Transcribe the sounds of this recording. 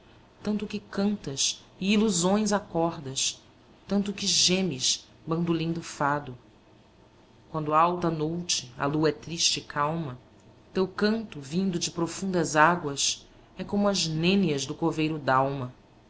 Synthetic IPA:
t̪ɐ̃nt̪ʊkɪkɐ̃nt̪ɐs | ɪiluzõj̃zakɔɾd̪ɐs | t̪ɐ̃nt̪ʊkɪʒẽmɪʃ | bɐ̃nd̪ulĩnd̪ʊfad̪ʊ | kwɐ̃nd̪ʊaawt̪ɐnowt͡ʃɪɐ̰luɐɛt̪ɾiʃt͡ʃɪkʰawmɐ | t̪ewkɐ̃nt̪ʊvĩnd̪ʊd͡ʒɪpɾofũnd̪ɐzaɡwɐs | ɛkõmʊɐznẽniɐzd̪ʊkovejɾʊd̪awmɐ

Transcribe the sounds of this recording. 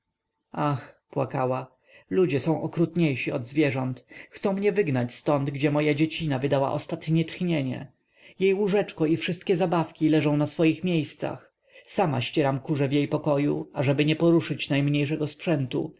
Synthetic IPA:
axpwakawa | lud͡ʑɛsɔ̃w̃ʔɔkɾut̪ɲejʂiɔd̪zvʲjɛʐɔnt̪xt̪sɔ̃w̃mɲɛvɘɡnat͡ɕst̪ɔnd̪ɡd͡ʑɛmɔjad͡ʑet͡ɕinavɘd̪awa̰ʔɔst̪at̪ɲeɲɛt̪xɲeɲɛ̰ | jejuʐɛt͡ʂkɔifʂɘst̪̚kʲɛzabafkʲilɛʐɔ̃w̃nasfɔjixmʲjejst̪sa̰x | sama̰ɕt͡ɕɛɾamkuʐɛvjejpɔkɔjuaʐɛbɘɲɛpɔɾuʂɘt͡ɕnajmɲejʂɛɡɔspʂɛnt̪ṵ

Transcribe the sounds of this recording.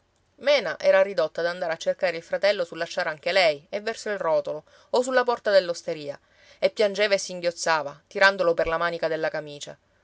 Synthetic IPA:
mɛːnaʔɛːɾaɾid̪ot̪ːad̪and̪aːɾeat͡ʃːerkaːɾeilfɾat̪ɛlːosulːaʃt͡ʃːaːɾaŋk̟elɛjevːɛrsoilrɔːt̪olo | os̬ulːapɔrt̪ad̪elːost̪eɾiːa | epːjand͡ʒeːvaesːiŋɡjot̪sːaːvat̪iɾand̪oloperlamaːnikad̪elːakamiːt͡ʃa̰

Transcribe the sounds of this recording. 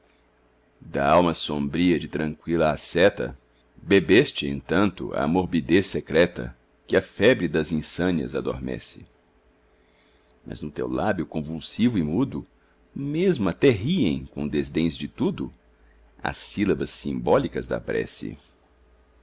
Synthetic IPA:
d̪ɐawmɐsõmbɾiɐd͡ʒɪt̪ɾɐ̃ŋkwilɐasɛt̪ɐ̰ | bebest͡ʃɪḛ̃nt̪ɐ̃nt̪ʊ̰ɐ̰moɾbid̪esːekɾɛt̪ɐ̰ | kɪɐfɛbɾɪd̪ɐzĩsɐ̃niɐ̰zad̪o̰ɾmɛ̰sɪ | mɐ̰znʊt̪ḛwlabjʊkõvulsivʊɪmud̪ʊ | mezmʊɐt̪ɛɦiẽj̃kõd̪ezd̪ẽj̃zd͡ʒɪt̪ud̪ʊ | a̰silɐbɐsːĩmbɔlikɐzd̪ɐ̰pɾɛ̰sɪ̰

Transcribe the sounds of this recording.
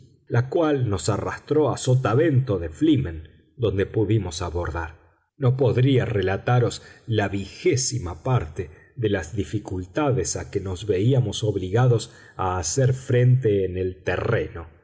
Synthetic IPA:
lakwalno̞sara̰st̪ɾo̞asot̪aβe̞nt̪o̞ðeflimẽn | d̪o̞nd̪e̞puðimo̞saβo̞ɾðaɾ | no̞po̞ðɾiarelat̪aɾo̞slaβixesimapaɾt̪e | ðelazðifikult̪aðesakeno̞zβe̞iamo̞so̞βliɣaðo̞s | aːseɾfɾe̞nt̪e̞ːnelt̪ere̞no̞

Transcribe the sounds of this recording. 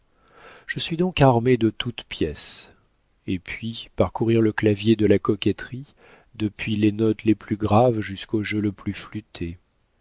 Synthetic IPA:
ʒ̥əsɥid̪ɔ̃kaʁmed̪ət̪ut̪pjɛs | epɥipaʁkuʁiʁləklavjed̪əlakɔkʲɛt̪χi | d̪əpɥilenɔt̪leplyɡʁavʒyskoʒələplyflyt̪ʰe

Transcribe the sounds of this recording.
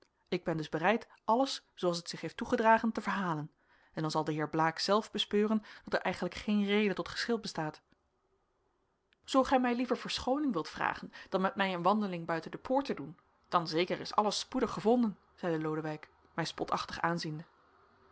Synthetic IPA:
ɪɡ̚bɛndɵzbərɛjt | ʔɑləssowɑlˠs̬ətsɪχɦejftuχədraːχəntəvəɹɦaːlən | ɛndɑnzɑlˠdəɦɪːɹblaːksɛlˠvbəspøːrənd̥ɑtəɹʔɛ̰jχənləkχejnrejdətɔtχə̥sχɪlˠbəstaːt | z̥owχɛjmɛjlivəɹvəɹsχownɪŋʋɪlˠtfra̰ːχənd̥ɑnmɛt̚mɛjənʋɑndəlɪŋbœɥtəndəpʰʊːɹtədun | d̥ɑnzejkəɹɪ̰sɑ̰ləspudəχəvɔndən | z̥ɛjdəlowdəʋɛjk | mɛjspɔtʰɑχtə̥χaːnzində

